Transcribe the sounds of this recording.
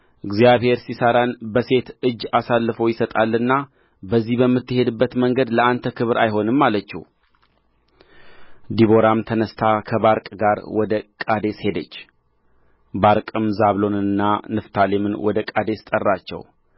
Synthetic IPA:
ʔɨɡzijaβhe̞ɾsisəɾanbəse̞t̪ɨd͡ʒːasalːɨfo̞jɪsət̪ʼalːɨnːa | bəzːihbəmːɨt̪ːɨhe̞d̪ɨbːət̪məŋɡəd̪ləant̪ʰəkʰɨβɨɾʔa̰jho̞nɨmːalət͡ʃːɛ̰w | d̪iβo̞ɾamt̪ʰənəst̪ʰakʰəβaɾkʼɡaɾwɔd̪əkʼad̪eshe̞d̪ət͡ʃː | baɾkʼɨmzaβlo̞nɨnːanɨft̪ʰalemɨnwɔd̪əkʼad̪e̞st̪ʼərːat͡ʃːɛ̰w

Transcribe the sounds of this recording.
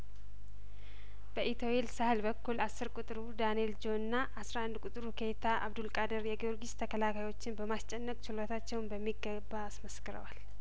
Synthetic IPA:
b̥əʔit̪ʰowelsəhɨlbəkːulasːɨɾkʼut̪ʼɾud̪aneld͡ʒo̞nɨnːaʔasɾaand̪kʼʊt̪ʼɨɾukʰe̞t̪ʰaʔa̰βd̪ulkʼad̪əɾjɛɡio̞ɾɡist̪ʰəkʰəlakʰajwo̞t͡ʃːɪnbəmast͡ʃʼɛnːəkʼt͡ʃʰɪlot̪ʰat͡ʃːɛwnbəmːiɡːəbːaːsməskɨɾə̰wal

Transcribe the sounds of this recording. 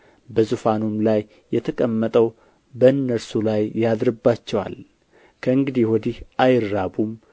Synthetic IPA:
bəzufanumlajː | ɛt̪ʰəkʼəmːət̪ʼəw | bəɨnːəɾsulajːjad̪ɾɨbːat͡ʃːɛwa̰l | kʰəɨŋɡɨd̪ihwɔd̪ihʔajɪɾːabum

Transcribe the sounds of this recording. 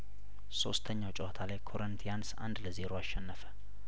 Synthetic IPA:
so̞̰st̪ʰəɲːawt͡ʃʼɛwat̪ʰalajkʰo̞ɾənt̪ʰijansa̰nd̪ləze̞ɾoaʃːɛnːəfə̥

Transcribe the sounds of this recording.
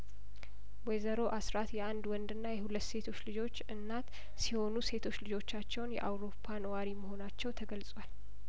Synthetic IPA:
wɛjzəɾo̞ʔasɾat̪jɛʔand̪wɔnd̪ɨnːajɛhulət̪ːse̞t̪ʰo̞t͡ʃːlɨd͡ʒo̞t͡ʃːɨnːat̪ | siho̞nuse̞t̪ʰo̞t͡ʃːlɨd͡ʒo̞t͡ʃːat͡ʃːɛwnjɛ̰ʔawɾo̞pʰːanəwaɾiməho̞nat͡ʃːɛwt̪ʰəɡəlsʼwal

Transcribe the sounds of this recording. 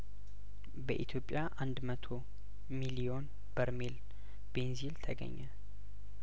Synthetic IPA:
bəʔit̪ʰjo̞pʼːjaʔand̪mət̪ʰo̞ | milio̞n | bəɾmel | benzilt̪ʰəɡə̰ɲːɛ

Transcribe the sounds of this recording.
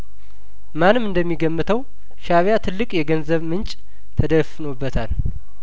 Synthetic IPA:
manːɨmɨnd̪əmːiɡəmːɨt̪ʰəw | ʃaβjat̪ʰɨlːɨkʼjɛɡənzəβmɨnt͡ʃʼ | t̪ʰəd̪əfɨnobːət̪ʰal

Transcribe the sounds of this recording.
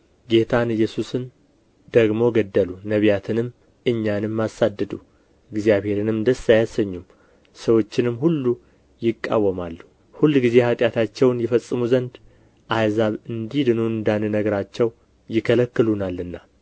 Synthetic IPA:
ɡe̞t̪ʰanɨjːɛsusɨn | d̪̥əɡmo̞ɡəd̪ːəlunəβijat̪ʰɨnɨm | ɨɲːanɨmːasad̪ːɨd̪u | ɨɡzijaβhe̞ɾɨnɨmd̪əsajasəɲːum | səwo̞t͡ʃːɪnɨmːhulːu | jɪkʼːa̰wːəmalːu | hulːɡize̞hat̪ʼjat̪ʰat͡ʃːɛwnjɛfəsʼːɨmuzənd̪ | ʔajzaβɨnd̪id̪ɨnuɨnd̪anɨnəɡəɾat͡ʃːɛw | jɪkʰələkːɨlunalːɨnːa

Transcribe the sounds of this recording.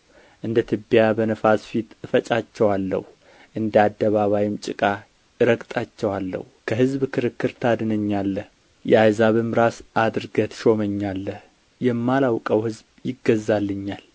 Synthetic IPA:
ʔɨnd̪ət̪ʰɨbjabənəfasfit̪fət͡ʃʼat͡ʃːɛwalːə̰hu | ʔɨnd̪ad̪ːəβaβajɪmt͡ʃʼɨkʼa | ɨɾəkʼt̪ʼat͡ʃːɛwalːə̰hukʰəhɨzbkʰɨɾɨkːɨɾt̪ʰad̪ɨnəɲːalːəh | jɛajzaβɨmɾasʔad̪ɾɡət̪ʃo̞məɲːalːəh | jɛmːalawkʼəwhɨzbjɪɡəzːalːɨɲːal

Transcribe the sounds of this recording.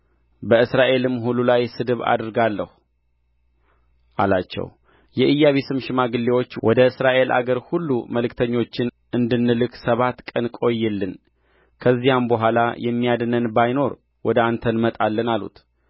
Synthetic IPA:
bəɨsɾaʔe̞lɨmːɦululajsɨd̪ɨβa̰d̪ɾɡalːə̰hu | ʔa̰lat͡ʃːɛ̰w | jɛʔɨjːaβesɨmʃɪmaɡɨlːe̞wo̞t͡ʃːwʔɔd̪əɨsɾaʔe̞lʔa̰ɡəɾhulːṵməlɨkt̪ʰəɲːo̞t͡ʃːɪn | ʔɨnd̪ɨnːɨlɨksəβat̪kʼənkʼo̞jːɛlːɨn | kʰəzːijambəɦʷalajʔɛmːijad̪nənbajno̞ɾ | wɔd̪əant̪ʰənmət̪ʼalːənalṵt̪

